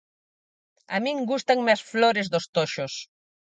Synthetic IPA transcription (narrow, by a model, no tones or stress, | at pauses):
a̰mĩŋɡust̪aŋmeɐsfloɾezðost̪oʃos